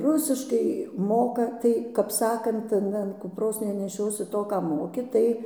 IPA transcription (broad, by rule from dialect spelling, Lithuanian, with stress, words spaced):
ˈrʊsʲɪʃkɐɪ ˈmoːkɐ ˈtɐɪ kɐp ˈsɑːkɐnt ɐn ɐn kʊpˈroːs nʲɛnʲɛˈʃʲoːsʲɪ ˈtoː ˈkɑː ˈmoːkʲɪ ˈtɐɪ